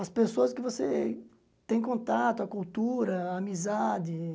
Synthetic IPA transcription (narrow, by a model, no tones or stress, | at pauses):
ɐspesoɐskɪvose | t̪ẽj̃kõt̪at̪ʊɐkult̪uɾɐːmizad̪ɪ